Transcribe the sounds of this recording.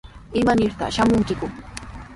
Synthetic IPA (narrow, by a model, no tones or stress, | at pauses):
ɪmanɪɾt̪a̰ʃamʊŋkɪkʊ